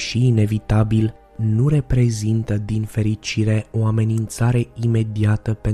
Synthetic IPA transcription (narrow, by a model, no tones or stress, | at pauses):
ʃiːne̞vit̪abil | nure̞pɾe̞zint̪əd̪infe̞ɾit͡ʃiɾe̞o̞ame̞nint̪saɾe̞ime̞d̪iat̪əpe̞